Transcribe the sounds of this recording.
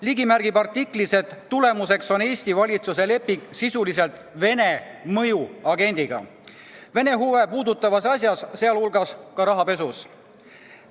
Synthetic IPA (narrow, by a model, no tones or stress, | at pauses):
liɡimærɡ̥ibɑrt̪ːikːˑlise̞t̪ːule̞muse̞kso̞neːsʲt̪ivɑlʲit̪suse̞le̞pːiŋɡ̥sisulis̬e̞lt̪ˑ | ve̞ne̞mɤ̞juɑɡe̞nʲd̪̥iɡ̥ɑ̰ | ve̞ne̞ɦuve̞puːd̪ut̪ːˑɑvɑsɑsʲjɑsse̞ɑlhulɡ̥ɑskɑɾɑɦɑpe̞sus